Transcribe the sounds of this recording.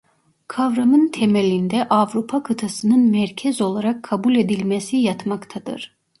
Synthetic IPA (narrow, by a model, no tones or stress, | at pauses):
kʰavɾamɯnt̪ʰemelʲind̪ɛʔavɾupʰakʰɯt̪ʰasɯnɯnmæɾcʰɛzo̞lˠaɾakʰːabulʲe̞d̪ilʲmesijat̪makt̪ʰad̪ɯ̰ɾ̥